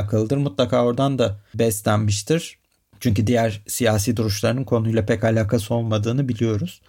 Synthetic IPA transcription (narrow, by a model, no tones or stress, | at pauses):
kʰalˠɯd̪ɯɾmut̪lˠakʰaːoɾd̪and̪abɛst̪lʲænmiʃt̪ʰiɾ̥ | t͡ʃʰyɲcyd̪ijæɾ̥sijaːs̬iːd̪uɾuʃlˠaɾɯnɯnkʰo̞nujlˠapʰɛcalʲaːkʰaso̞lˠmad̪ɯːnɯbilʲijo̞ɾuz̥